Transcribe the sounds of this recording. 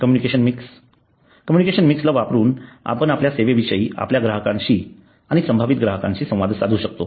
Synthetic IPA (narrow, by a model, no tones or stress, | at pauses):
kəmjunikeɕənmiks | kəmjunikeɕənmikslaʋapɾuːna̰pənapljaseʋeʋiɕəiːa̰pljaɡɾaɦəkãɲɕiː | aɽ̃isəmbʱaʋit̪̚ɡɾaɦəkã̰ɲɕiːsə̃w̃ʋad̪ʱsad̪ʱuɕək̚t̪o